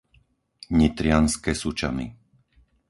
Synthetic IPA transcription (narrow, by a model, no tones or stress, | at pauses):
ɲit̪ɾɪanskɛsut͡ʃa̰mḭ